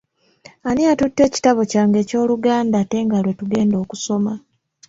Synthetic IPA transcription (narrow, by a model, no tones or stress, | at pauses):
aniatutːe̞ːci̥taβo̞caːŋɡe̞ːco̞ːluɡaːndaːte̞ŋɡalwe̞tuɡe̞ːndo̞ːkuso̞ma